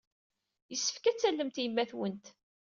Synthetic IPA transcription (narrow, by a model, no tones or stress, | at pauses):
jəsːə̥fkæt͡sːælːəmt̪jəmːæθwənt̪